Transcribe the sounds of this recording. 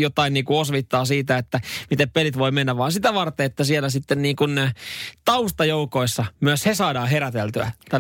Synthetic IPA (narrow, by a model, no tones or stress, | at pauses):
jot̪ɑinniːkuosʋit̪ːɑːsiːt̪æet̪ːæmit̪eppelit̪ʋoimenːæʋʋɑːnsit̪æʋɑrt̪eet̪ːæsielæsit̪ːenniːŋkunt̪ɑust̪ɑjoukoisːɑmyøshesɑːdɑːheɾæt̪elt̪yæ̰t̪æ